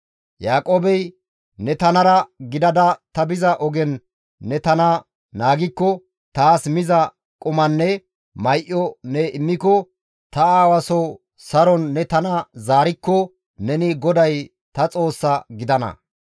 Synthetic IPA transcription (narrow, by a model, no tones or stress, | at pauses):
jaːkʼoːbɛj | nɛt̪ɐnɐɾɐɡɪd̪ɐd̪ɐt̪ɐbɪzɐʔɔɡɛnː | ɛt̪ɐnɐ | naːɡɪkːɔ | t̪aːsmɪzɐ | kʼʊmɐnːɛ | mɐjʔɔnɛɪmːɪkːɔ | t̪ɐaːwɐsɔ | sɐɾɔnːɛt̪ɐnɐzaːɾɪkːɔ | nɛnɪɡɔd̪ɐj | t̪ɐt͡sʼo̞ːsːɐɡɪd̪ɐnɐ̰